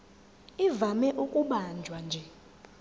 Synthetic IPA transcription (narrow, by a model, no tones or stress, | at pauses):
ivamɛʔukʼuɓand͡ʒʱwand͡ʒʱɛ